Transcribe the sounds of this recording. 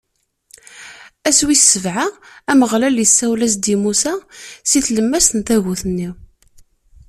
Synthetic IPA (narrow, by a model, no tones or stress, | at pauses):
æswissːəvʕaæməʁlæljəsːæwlæs̬d̪imusæsiθləmːæst̪nt̪æɣuθənːi